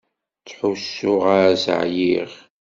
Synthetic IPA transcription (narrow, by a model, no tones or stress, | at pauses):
t͡sħusːʊʁaɾæsə̰ʕjiʁ